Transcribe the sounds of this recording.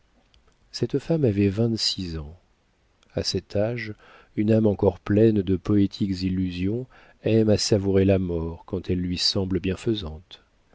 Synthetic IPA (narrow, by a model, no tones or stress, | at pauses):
sɛt̪famavɛvɛ̃t̪sizɑ̃ | a̰sɛt̪ʰaʒ | ynamɑ̃kɔʁplɛnd̪əpɔet̪ʰikzilːyzjɔ̃ | ɛmasavuʁelamɔʁkɑ̃t̪ʰɛlːɥisɑ̃bləbjɛ̃fəzɑ̃t̪